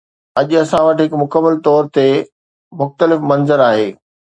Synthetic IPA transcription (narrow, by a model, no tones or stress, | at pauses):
ɐʄʊɐsãʋɐʈɦɪkmʊkəmːəlt̪ɔːɾt̪e | mʊxt̪əlɪfmɐ̃nzəɾaːɦeː